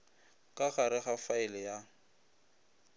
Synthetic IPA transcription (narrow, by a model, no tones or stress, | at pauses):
kʼaχaɾɪχafaɪlɪja